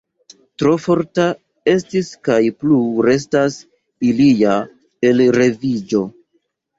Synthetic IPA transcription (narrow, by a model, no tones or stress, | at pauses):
tɾo̞fo̞ɾta | e̞stiskajpluɾe̞s̬tas | ilija | e̞lɾe̞vid͡ʒo̞